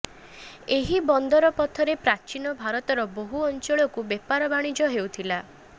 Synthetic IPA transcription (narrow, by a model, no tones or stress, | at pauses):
eɦibɔnd̪ɔɾɔpɔt̪ʰɔɾepɾat͡ʃinɔbʱaɾɔt̪ɔɾɔboɦuɔnt͡ʃɔɭɔkubepaɾɔbaɽ̃id͡ʒɔɦewt̪ʰila